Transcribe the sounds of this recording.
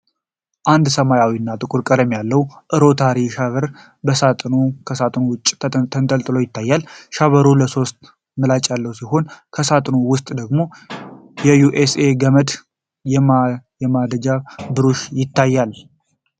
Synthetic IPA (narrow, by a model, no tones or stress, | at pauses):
ʔand̪səmajawinːat̪ʼɨkʼuɾkʼəd̪əmjalːəwʔɨɾo̞t̪ʰaɾiʃaβəɾ | bəsat̪ʼnokʰəsat̪ʼnowʊt͡ʃʼːt̪ʰənt̪ʼəlt̪ʼɨlo̞jɪt̪ʰːajːalʃaβəɾuləso̞st̪ | mɨlat͡ʃʼjalːəwusiho̞nkʰəsat̪ʼnowʊst̪ʼd̪əɡmo̞ | jɛjuʔese̞ɡəməd̪ | jɛmjɛmad̪əd͡ʒabɨɾoʃjɪt̪ʰːajːal